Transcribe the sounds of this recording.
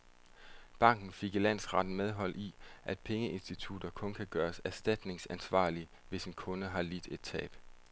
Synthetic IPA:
b̥ɑ̈ŋ̰ɡ̥n̩feɡ̥ilæn̰sʁɑ̈d̥n̩með̞ˠɦɒ̽l̰ʔiʔæd̥̚pʰeŋəʔe̝nsd̥it͡sʰud̥ɐkʰɔ̽nkʰæɡ̥ɶːɐsæɐsd̥æd̥ne̝ŋsænsʋɑ̰̈ːli | ʋe̝senkʰɔ̽nəɦɑ̈lid̥e̝d̥̚t͡sʰɛ̰ːb̥

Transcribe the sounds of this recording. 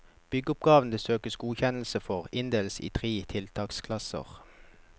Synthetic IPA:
b̥ʏɡəʊp̚ɡɑːʋn̩d̪əsøːkəsɡuːçɛnl̩səfɔʁɪnd̪eːlsḭːt̪ʰʁeːt̪ʰɪlt̪ʰɑːkskʰlɑsə̰ʁ

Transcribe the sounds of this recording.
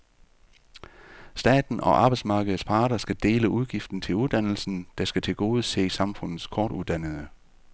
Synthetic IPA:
sd̥ɛ̰ːd̥n̩ɒ̽ʔɑ̈ːb̥ɑɪsmɑ̈ːɡ̥əð̩ˠspʰɑ̈ːɾ̥ɐsɡ̥æd̥e̝̰ːləʔuðˠɡ̥ifd̥n̩t͡sʰe̝luðˠd̥ænl̩sn̩d̥ɑ̈sɡ̥æt͡sʰe̝lɡ̥o̝ːð̞̩ˠse̝̰ːsɑ̈mfɔ̽n̰ð̩ˠskʰɒːd̥uðˠd̥ænəð̩ˠə

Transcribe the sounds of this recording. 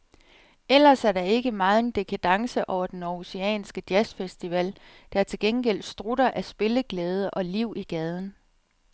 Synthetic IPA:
el̰ɐsæɐɾɑ̈e̝ɡ̥əmɑ̈ːð̩ˠe̝nd̥e̝kʰæd̥ɑ̈ŋsəʔɒʊɐd̥enɒuseɛ̰ːnsɡ̥əd̥jæsfesd̥iʋɛl̰ | d̥ɑ̈æɐt͡sʰe̝lɡ̥enɡ̥el̰d̥sd̥ʁuɾɐʔæsb̥e̝ləɡ̥lɛːð̞ˠəʔɒ̽liʊ̰ʔiɡ̥ɛð̞ˠn̩

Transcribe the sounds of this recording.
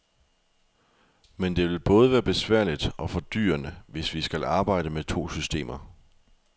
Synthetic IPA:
mend̥e̝ʋe̝lb̥ɔ̽ːð̞əʋæːɐb̥e̝sʋæɐ̰lid̥ɒ̽fɒ̽d̥y̰ːɐnəʋe̝sʋisɡ̥ælɑ̈ːb̥ɑ̈ɪ̰d̥əmet͡sʰo̝̰ːsysd̥e̝̰ːmɐ

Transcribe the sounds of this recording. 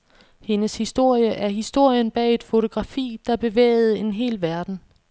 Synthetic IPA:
he̝nəshisd̥o̝ɐ̰jəʔæɐɦisd̥o̝ɐ̰jənb̥ɛ̰ːe̝d̥fo̝t͡sʰo̝ɡ̥ʁɑ̈fḭːd̥ɑ̈b̥e̝ʋḛːð̞̩ˠe̝nɦe̝̰ːlʋæɐd̥n̩

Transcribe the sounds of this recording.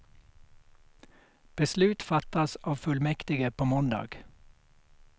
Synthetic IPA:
b̥əslʉːt̪fɑt̪ɑsɑːʋfʉlmɛkt̪ɪɡəpʰoːmɔnd̪ɑ̰ːɡ̥

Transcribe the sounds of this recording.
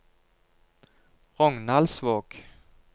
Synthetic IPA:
ʁɔŋnalsvoːk

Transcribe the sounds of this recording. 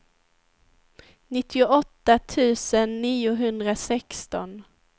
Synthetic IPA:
nɪt̪ʰːɪʊʔɔt̪ːat̪ʰʉ̟ːsənːiːʊɦɵnd̪ɾasɛkst̪ɔn

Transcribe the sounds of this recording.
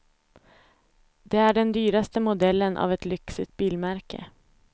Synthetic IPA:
d̪̥ɛæɖɛnd̪yːɾast̪əmʊd̪ɛlːənʔa̰vɛt̪lʏksɪt̪̚biːlmæɾkə̰

